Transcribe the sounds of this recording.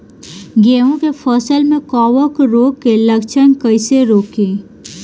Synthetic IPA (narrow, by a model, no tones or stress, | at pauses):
ɡeːõkepʰɔːsəlmẽkɔːʋəkɾoːɡkːelɐkt͡ʃənkəɪseɾoːkẽː